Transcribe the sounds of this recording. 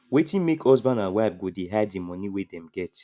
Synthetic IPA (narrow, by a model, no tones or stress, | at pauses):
wetĩnmekʰɔzbãnãnwafɡodeɦɛddimɔniwedɛm̩ɡɛt